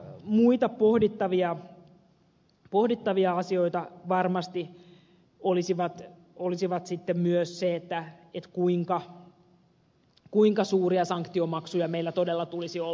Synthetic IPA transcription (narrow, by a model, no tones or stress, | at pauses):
muit̪ɑppohdit̪ːɑʋiɑ | pohdit̪ːɑʋiɑɑsioit̪ɑʋɑrmɑst̪i | olisiʋɑt̪ | olisiʋɑt̪sit̪ːemmyøsseet̪ːæet̪kuiŋkɑ | kuiŋkɑsuːriɑsɑŋkt̪iomɑksujɑmeilːæt̪odelːɑt̪ulisio